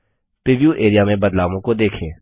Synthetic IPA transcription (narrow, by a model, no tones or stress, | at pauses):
pɾɪʋijuʔeːɾijamẽbɐd̪laːʋõkod̪eːkʰẽː